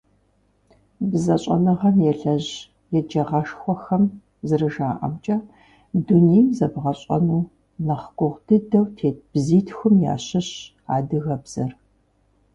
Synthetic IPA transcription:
bzɐɕʼɐ̰nɨʁɐmjɛɬɐʑ | jɛd͡ʒɐʁɐʂxʷɔxɐm | zɨrɨʒaːʔɐ̰mt͡ʃʼɐ | dunejmzɐbʁɐɕʼɐ̰nuː | nɐχɡʷʊʁdɨdɐwtʰeːt̚b̥ziːtʰxʷʊmja̰ːɕɪɕ | aːdɨɣɐbz̥ɐr

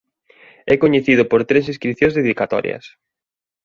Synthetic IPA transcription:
ɛkoɲeθið̞ʊpoɾt̪ɾes̬iskɾiθjõŋzðeðikat̪ɔ̰ɾjɐ̰s

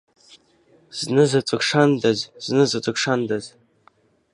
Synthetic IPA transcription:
z̥nɨzat͡sʼɨkʂandazz̥nɨzat͡sʷʼɨkʂand̪az

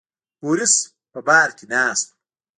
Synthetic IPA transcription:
puːɾis | pɐbaːɾkinaːst̪

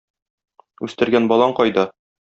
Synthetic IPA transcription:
ʉst̪ɘ̆ɾɡænbɒlˠɑɴqɒjd̪ɑ

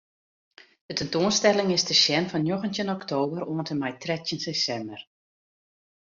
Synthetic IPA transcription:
d̥ətɛntoənstɛlɪŋɪsdəʃjɛnfɔnjoxəntənɔktʰoːbəɾoəntəmɛjtrɛtjənsesɛmbər

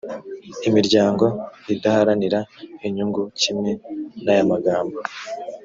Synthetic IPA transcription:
imiɾɟaːŋɡo̞idahaɾaniɾaiɲuŋɡucimŋe̞najamaɡaːmbo

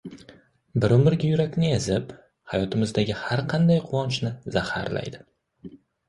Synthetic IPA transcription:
bɪɾʊmɪɾɡʲajʊɾakʲnɪezɪp | hajɒt̪ʰɪmɪzd̪aɡʲɪhaɾqʰɑnd̪ajqʰʊwɒnt͡ʃnɪzaha̰ɾla̰jd̪ɪ

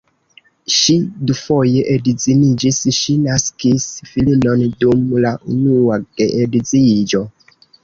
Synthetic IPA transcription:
ʃidufojeʔedizinid͡ʒisʃinaskisfilinondumlaʔṵnuad̥eʔedizid͡ʒo

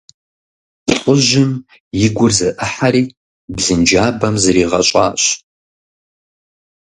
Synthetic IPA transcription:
ɬʷʼʊʒɪm | jɪɡʷʊrzɨʔɨħaɾiː | bzɨnd͡ʒaːbɐmzɨɾiːʁɐɕʼa̰ːɕ

